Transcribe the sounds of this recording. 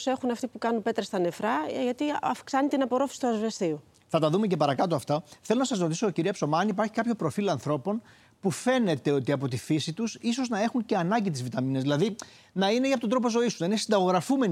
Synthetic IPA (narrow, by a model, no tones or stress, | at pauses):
se̞xunɐft̪ipukɐnupe̞t̪ɾest̪ɐne̞fɾɐʝɐt̪iɐfksɐnit̪inɐpo̞ɾofi̥si̥t̪uɐzvest̪iu | θɐt̪ɐðumecepɐɾɐkɐt̪oɐft̪ɐθe̞lo̞nɐsɐsɾo̞t̪isoːciɾiɐpso̞mɐɐnipɐɾçi̥kɐpço̞pɾo̞filɐnθɾo̞po̞n | pufe̞ne̞t̪e̞o̞t̪iɐpo̞t̪ifisit̪usiso̞znɐe̞xuɲce̞ɐnɐɲɟit̪̬izvit̪ɐminezðilɐði | nɐineiɐpot̪od̪ɾo̞po̞zo̞ist̪unɐinesind̪ɐɣo̞ɣɾɐfume̞n